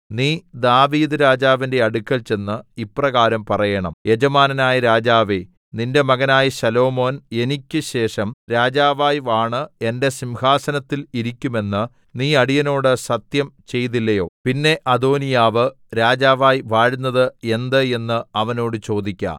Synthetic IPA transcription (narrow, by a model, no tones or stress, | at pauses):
niːd̪aːʋiːd̪ɨɾaːd͡ʑaːʋinde̞ɐɽukʲːɐlt͡ɕe̞nːɨipːrɐɣaːɾɐmpɐrɐjɐɳɐmje̞d͡ʑɐmaːnɐnaːjɐɾaːd͡ʑaːʋe | ninde̞mɐɣɐnaːjɐɕɐlo̞ːmo̞ːne̞nikʲːɨɕe̞ːʂɐmɾaːd͡ʑaːʋaːjʋaːɳɨe̞nde̞simhaːsɐnɐt̪ːiliɾikʲːume̞nːɨ | niːɐɽijɐno̞ːɽɨsɐt̪jɐmt͡ɕe̞jt̪̬ilːɐjo̞̰ːpinːe̞ʔɐd̪o̞ːnijaːʋɨ | ɾaːd͡ʑaːʋaːjʋaːɻunːɐðɨe̞nd̪ɨe̞nːɨɐʋɐno̞ːɽɨt͡ɕo̞ːd̪ikʲːa̰